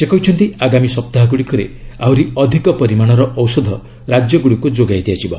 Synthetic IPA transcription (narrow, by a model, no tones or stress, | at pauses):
sekɔɦit͡ʃʰɔnt̪iaɡamisɔp̚t̪aɦaɡuɽikɔɾḛawɾiɔd̪ʱikɔpɔɾimaɽ̃ɔɾɔʔɔwsɔd̪ʱɔ | ɾad͡ʒjɔɡuɽikud͡ʒoɡajd̪iad͡ʒibɔ̰